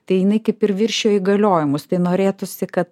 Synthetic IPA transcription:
t̪ɐɪjɪnɐɪkɐɪpɪɾʋʲɪɾʲʃʃʲoːiːɡɐlʲoːjɪmʊst̪ɐɪnoːɾʲeːt̪ʊsʲɪkɐt̪

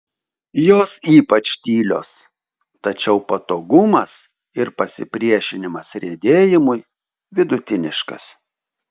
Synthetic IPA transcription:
joːsiːpɐt͡ʃt̪ʲiːlʲo̰ːs | t̪ɐt͡ʃʲɛʊpɐt̪oːɡʊmɐs | ɪɾpɐsʲɪ̰pʲɾʲiɛʃʲɪnʲɪmɐsɾʲeːd̪ʲeːjɪmʊj | ʋʲɪd̪ʊt̪ʲɪnʲɪʃkɐ̰s

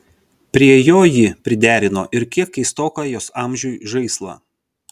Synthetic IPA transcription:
pʲɾʲiɛjoːjɪpʲɾʲɪd̪ʲæːɾʲɪno̰ːʔɪɾkʲiɛkːɐɪst̪oːkɑːjoːsɑːˑmʲʒʲuːʒɐɪslˠɑ̰ː

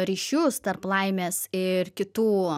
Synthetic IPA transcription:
ɾʲiːʃʲust̪ɐrplˠɐɪmʲeːsɪɾkʲɪt̪uː

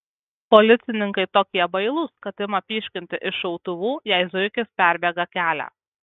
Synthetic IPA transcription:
pɔlʲɪt̪sʲɪnʲɪŋkɐɪt̪oːkʲiɛbɐɪlˠʊskɐt̪ʲɪmɐpʲiːʃʲkʲɪnʲt̪ʲɪʔɪʃɐʊt̪ʊʋuːjɛˑɪzʊkʲɪspʲæˑɾʲbʲɛɡɐkʲæːlʲæ̰

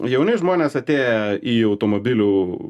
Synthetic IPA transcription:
jɛʊnʲɐɪʒmoːnʲeːsɐt̪ʲeːjɛiːɐʊt̪oːmoːbʲɪlʲuː

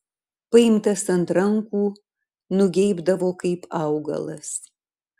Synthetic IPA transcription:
pɐɪmtʰɐsɐntɾɐŋkʷuː | nʊɡʲejbdɐvoːkɐɪpʰawɡɐ̰lˠɐ̰s

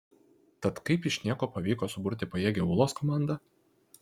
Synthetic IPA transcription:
t̪ɐt̪kɐɪpɪʃʲnʲiɛkoːpɐʋʲiːkoːsʊbʊɾʲt̪ʲɪpɐjeːɡʲɛʊlˠoːskɔmɑˑnd̪ɐ

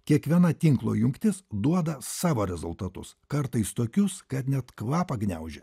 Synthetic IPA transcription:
kʲiɛkʋʲiɛnɐt̪ʲɪŋklˠo̰jʊŋkt̪ʲɪsd̪uɔd̪ɐsɑːʋoːɾʲɛzʊlˠt̪ɐt̪ʊ̰skɐɾt̪ɐɪst̪oːkʲʊskɐt̪nʲɛt̪kʋɑːpɐɡnʲæ̰ʊʒʲɛ

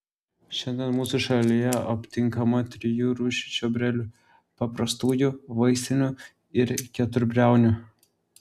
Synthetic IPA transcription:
ʃʲɛnʲd̪ʲɛnmuːsʊʃɐlʲɪjɛɐpʲt̪ʲɪŋkɐmɐt̪ʲɾʲɪjuːɾuːʃʲɪ̥t͡ʃʲobʲɾʲɛlʲʊ | pɐpɾɐst̪uːjuʋɐɪsʲɪnʲʊ | ɪɾkʲɛt̪ʊɾʲbʲɾʲæˑʊnʲʊ

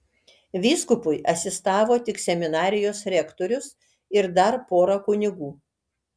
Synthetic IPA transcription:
ʋʲiːskʊpʊjʔɐsʲɪst̪ɑːʋoːt̪ʲɪksʲɛmʲɪnɑːɾʲɪjoːsɾʲɛkt̪oːɾʲʊs | ɪɾd̪ɐɾpoːɾɐkʊnʲɪɡuː

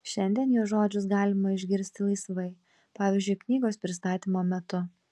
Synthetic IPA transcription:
ʃʲɛnʲd̪ʲiɛnjoːʒoːd͡ʒʲʊs̬ɡɑːlʲɪmɐɪʒʲɡʲɪɾʲsʲt̪ʲɪlˠɐɪsʋɐɪ | pɑːʋʲiːˑzʲd͡ʒʲʊɪknʲiːɡoːspʲɾʲɪst̪ɑːt̪ʲiːmoːmʲɛt̪ʊ

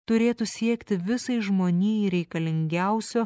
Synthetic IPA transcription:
t̪ʊɾʲeːt̪usʲiɛkt̪ʲɪʋʲɪsɐɪʒmoːnʲiːiɾʲɛɪkɐlʲɪŋʲɡʲæʊsʲoː

